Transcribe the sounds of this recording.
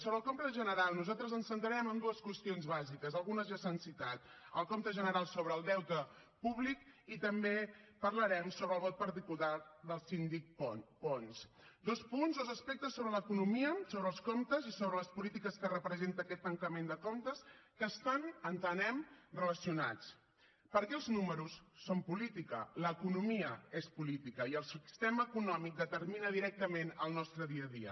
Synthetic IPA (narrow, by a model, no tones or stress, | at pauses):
soβɾəlˠkomt̪əʒənəɾalˠnuzalˠt̪ɾəzənsənt̪ɾəɾɛmənd̪uəskwəst̪ionzβazikəzəlˠɣunəzʒəsənsit̪at̪əlˠkomt̪əʒənəɾalˠsoβɾəːlˠd̪ɛwt̪ə | puβlikit̪əmbepərləɾɛmsoβɾəlˠβɔt̪̚pəɾt̪ikulaðəlˠsind̪ik̚ɔpɔns | d̪ospunzðd̪ozəspɛk̚t̪əsːoβɾələkunumiəsoβɾəːlˠskomt̪əzisoβɾələspulit̪ikəskərəpɾəzent̪əːkɛt̪ːəŋkəmend̪əkomt̪əskəːst̪anənt̪ənɛmrələsiunat͡s | pəɾkɛəlˠznuməɾusːompulit̪ikə̰ləːkunumiəespulit̪ikəiəlˠsist̪eməːkunɔmik̚d̪ət̪əɾminəðiɾɛk̚t̪əmenəlˠnɔst̪ɾəðiəðḭə̰